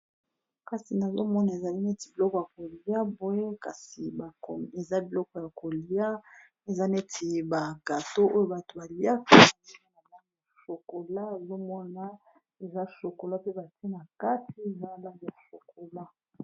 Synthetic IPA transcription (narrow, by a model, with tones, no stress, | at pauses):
ka˨si˨na˨zo˦mɔ˦na˨e˨za˨li˦ne˦ti˨bi˨lɔ˦kɔ˨ja˨ko˨li˨ja˦bo˨e˦ka˨si˨ba˨e˨za˦bi˨lɔ˦kɔ˨ja˨ko˨li˨a˦ | e˨za˦ne˦tʰi˨ba˨ɡa˨to˦ʔo˦jo˦ba˨to˨ba˨li˨ja˦ka˦˨˦a˦na˨a˦n˦˨so˨ko˨la˦e˨zo˦mɔ˦na˨ | e˨za˦so˨ko˨la˦pe˦ba˨ti˦e˦na˨ka˦ti˦e˨za˦la˦˨ja˨so˨ko˨la˦